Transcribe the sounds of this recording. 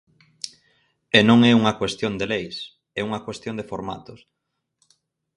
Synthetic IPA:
enõŋɛuŋɐkwest̪jond̪elejs | ɛuŋɐkwest̪jond̪efoɾma̰t̪ʊs

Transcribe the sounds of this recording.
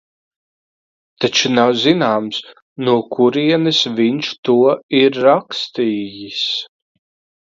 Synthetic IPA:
t̪at͡ʃunawzinaːms | nuɔkʰuɾiɛnɨsviɲʃt̪uɔiɾːakst̪iːjis

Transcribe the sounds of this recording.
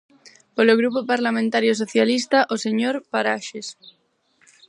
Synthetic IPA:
poloɣ̞ɾupopaɾlamẽnt̪aɾjosoθjalist̪aʔoseɲoɾpaɾaʃes

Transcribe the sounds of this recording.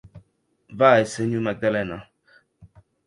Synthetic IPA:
vaːeseɲumak̚d̪alɛna

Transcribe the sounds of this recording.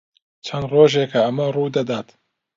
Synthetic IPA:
t͡ʃʰɐnd̪roːʒekʰɐɐmɐruːd̪ɐd̪aːt̪

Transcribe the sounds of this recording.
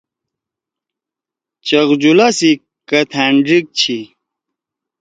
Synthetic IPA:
t͡ɕɐɣd͡ʑulasi | kɐt̪ʰaɳɖɾik̚t͡ɕʰi

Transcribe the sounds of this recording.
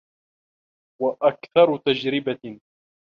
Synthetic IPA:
waʔakθɑɾˤʊt̪ad͡ʒɾɪba

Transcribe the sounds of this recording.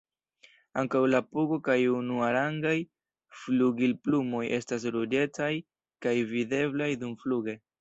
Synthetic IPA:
aŋkawlapuɡo̞kajunuaɾaŋɡaj | fluɡilplumo̞jʔe̞stas̬ɾud͡ʒe̞t͡saj | kajvide̞blajdumfluɡe̞

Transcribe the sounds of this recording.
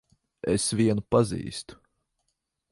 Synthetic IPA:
ɛ̰sviɛnupazḭːst̪u̥

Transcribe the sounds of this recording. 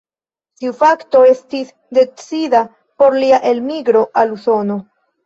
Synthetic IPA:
tiufakto̞e̞stis | de̞t͡sida | po̞ɾliaʔe̞lmiɡɾo̞ʔaluso̞no

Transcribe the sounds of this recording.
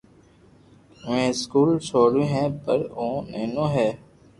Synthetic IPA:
ʋẽːskuːlsoːɾũːɦɛ̃ːpəɾõːnḛːnõːɦɛː

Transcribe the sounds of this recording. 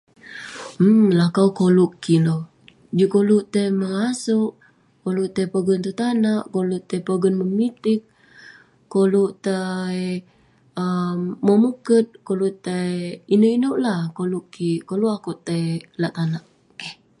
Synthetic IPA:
əlahkawkoluʔkːilo | d͡ʒikoluʔt̪əjməŋasuʔ | koluʔt̪ajpəɡʊnt̪ut̪anaʔkoluʔt̪ajpəɡənməmit̪ɪk̚ː | oluʔt̪aj | əmːəmukət̪̚koluʔt̪ajinoʔinoʔlahkoluʔkːikoluʔakuʔt̪əjlaʔt̪anaʔ

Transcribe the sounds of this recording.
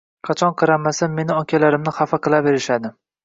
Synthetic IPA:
qʰɑt͡ʃʰɒnqʰɨɾamːasamːe̞nɪɒkʲʰalaɾɪmnɪχafaqʰɨlˠave̞ɾɪʃad̪ɪ

